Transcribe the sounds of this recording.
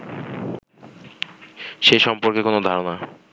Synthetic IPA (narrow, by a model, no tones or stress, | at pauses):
ʃejʃɔmpoɾkekonod̪ʱaɾona